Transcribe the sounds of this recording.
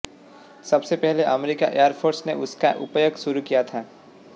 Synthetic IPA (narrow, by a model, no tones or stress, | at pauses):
sɐbsepɛɦleʔɐmɾika̰ʔejəɾpʰoːɾsneʔʊskaʔʊpjəɡʃʊɾukijat̪ʰaː